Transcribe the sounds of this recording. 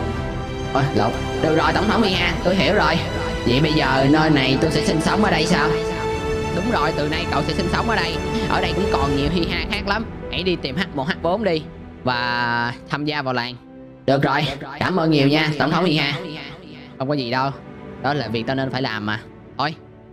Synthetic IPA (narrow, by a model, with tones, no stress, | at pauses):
ʔo˧jlo̰˨˩ | ɗɨ˨˩ək̚zo˨˩jt̪ə˧˩wŋ͡mt̪ʰə˨˦wŋ͡mhi˧haː˧t̪o˧jɦi˧˩əwzo˨˩j | vḭ˧˨ɓə˧jzəː˨˩nəː˧jna˨˩jt̪o˧jsɛ̰˧˥sï˧ŋ̟sə˨˦wŋ͡mʔəː˨˩˦ɗə˧jsaː˧w | wɗʊ˨˦wŋ͡mzo˨˩jt̪ɨ˨˩na˧jkə̰˧˨wsɛ̰˧˥si̟˧sə˨˦wŋ͡mʔəː˨˩˦ɗə˧jʔə̰ː˧˩ɗə˧jkʊ̰˧˥wŋ͡mkɔ˨˩nɲi˨˩whi˧ɦaː˧xaː˦˥k̚la˨˦mha̰˧˥jɗi˧t̪i˨˩mha˦˥k̚mo˨˩t̚haː˦˥k̚ɓo˨˦mɗi˧ | vaː˨˩t̪ʰaː˧mzaː˧vaː˨˩wla̰ː˨˩n | ɗɨ˨˩ək̚zo˨˩jkaː˧˩mʔəː˧nɲi˨˩əwɲaː˧t̪ə˧˩ŋ͡mt̪ʰwŋ͡mhi˧haː˧ | xwŋ͡mkɔ˨˦zi˨˩ɗə˧wɗɔ˨˦laː˨˩vi˨˩ək̚t͡ɕɔ˧ne˧nfaː˧˩laː˨˩mːaː˨˩ | t̪ʰo˧j